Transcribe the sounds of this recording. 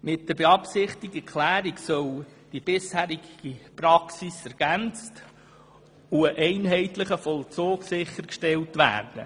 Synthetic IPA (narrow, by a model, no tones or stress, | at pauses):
mɪt̚d̥əɾbeɑpsɪχtɪɡəkχlæːɾiksœl | d̥ib̥ɪshæːɾiɡɡ̥ipɾɑksisɛɾɡ̥ænt͡st | uəʔɛɪnɦɛɪtlɪχəfɔlt͡soːɡsɪχəɾkʃtɛltʋæ̰ːrd̥ə